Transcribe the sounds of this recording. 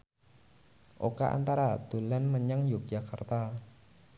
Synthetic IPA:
ʔokaʔa̰nt̪aɾad̪̥ulanməɲaŋjʊk̚d͡ʒakart̪a

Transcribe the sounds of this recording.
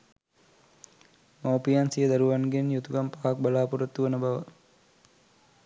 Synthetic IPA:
mawpijansijəd̪aɾuʋanɡenjut̪uɡampaːak̚balaːpuɾət̪ːuʋənəbaʋə

